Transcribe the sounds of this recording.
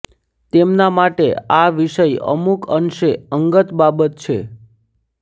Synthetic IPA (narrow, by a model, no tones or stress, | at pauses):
t̪emnamaʈeaʋiʃəjə̰mukənʃeəŋɡət̪babət̪̚t͡ʃʰe